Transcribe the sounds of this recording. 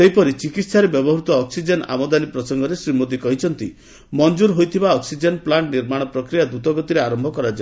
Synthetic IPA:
seɦjpɔɾit͡ʃikit̪saɾebjɔbɔɦɾut̪ɔːksid͡ʒena̰mɔd̪alipɾɔsɔŋɡɔɾesɾimod̪ikɔɦit͡ʃʰɔnt̪i | mɔnd͡ʒuɾɦojt̪ʰibaɔksid͡ʒenplaɳʈniɾmaɽ̃ɔpɾɔkɾijad̪ut̪ɔɡɔt̪iɾeaɾɔmbʱɔkɔɾad͡ʒa

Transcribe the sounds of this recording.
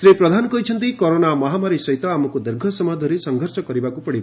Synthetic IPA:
sɾipɾɔd̪ʱanɔkɔjt͡ʃʰʌnt̪ikoɾonamɔɦamaɾisɔjt̪ɔamɔkud̪eɾɡʱɔsɔmjd̪ʱɔɾisɔŋɡʱɔɾsɔkɔɾibakupɔɽiba

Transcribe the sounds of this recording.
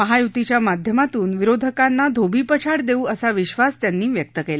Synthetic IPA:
məɦajut̪it͡ɕjamad̪ʱjəmat̪uːnʋiɾod̪ʱəkanːad̪ʱobʱiːpət͡ɕʰaɽd̪euːəsaʋiɕʋast̪janːiːʋjək̚t̪əkela

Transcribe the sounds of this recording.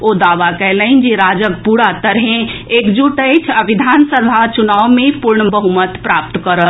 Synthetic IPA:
oːd̪aːʋakɛɦləɪnd͡ʒeɾaːd͡ʒək̚puɽat̪əɾɦẽekd͡ʒuʈəɪt͡ʃʰəʋid̪ʱaːnsəbʱat͡ʃunaːwmẽpuɾɳbəɦumət̪pɾap̚t̪kəɾət̪

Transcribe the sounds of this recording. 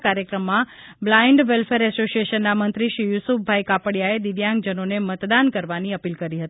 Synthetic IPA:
kaɾjəkɾəmːã | blaiɳɖʋelfʰeɾɛsosijeʃənːamənt̪ɾiʃɾijusup̚ʰbʱajkapəɽjaed̪iʋjãŋɡ̚d͡ʒənonemət̪d̪ankəɾʋaniəpilkəɾiɦət̪i

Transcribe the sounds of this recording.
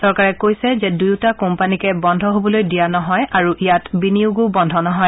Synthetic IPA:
sɔɹkaɹɛkojsɛzɛdujtakɔmpanikɛbɔndʱɔɦobɔlojdijanɔɦɔjaɹuʔijatbiniuɡobɔndʱɔnɔɦɔj

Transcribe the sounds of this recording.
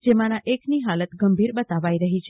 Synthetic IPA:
d͡ʒemãnãʔekniɦalət̪ɡəmbʱiɾɓət̪aʋajɾəɦit͡ʃʰ

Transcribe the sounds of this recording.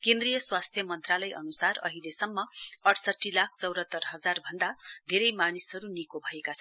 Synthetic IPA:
kẽnd̪rijʌswast̪ʰjʌmʌnt̪ralʌjʔʌ̰nusarʌ̰ɦilesʌmːʌʌʈʰsʌʈːilak̚ʰt͡sʌwɾʌt̪ːʌrɦʌd͡zarbʱʌnd̪ad̪ʱeɾʌjmanisʌɾunikobʱʌekat͡sʰʌn

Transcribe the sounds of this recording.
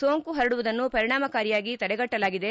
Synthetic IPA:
soːŋkuɦɐɾɐɽuʋud̪ɐnːupɐɾiɳaːmɐkaːɾijaːɡit̪ɐɽɛɡɐʈːɐlaːɡid̪e

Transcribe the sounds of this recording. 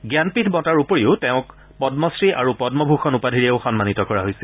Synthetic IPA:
ɡjanpitʰbɔtaɹupoɹiʊteʊ̃k | pɔdmɔsɹiʔa̰ɹupɔdmɔbʱuxɔnupadʱiɹeʊxɔnmanitɔkɔɹaɦojsil

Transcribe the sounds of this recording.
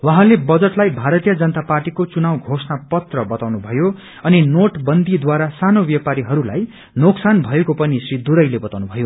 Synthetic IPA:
waɦãlebʌd͡zʌʈlajbʱaɾʌt̪ijʌd͡zʌnʌt̪aparʈikot͡sunawɡʱosnapʌt̪rʌbʌt̪awnubʱʌjo | ʌninoʈbʌnd̪id̪waɾasanobjʌpaɾiɦʌɾula̰j | noksanbʱʌekopʌnisrid̪uɾʌjlebʌt̪awnubʱʌjo

